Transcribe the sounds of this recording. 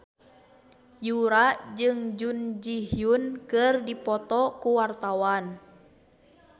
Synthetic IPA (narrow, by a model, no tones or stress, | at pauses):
juɾad͡ʒɨŋd͡ʒund͡ʒiɦiunkɨrdipɔt̪ɔkuwart̪awan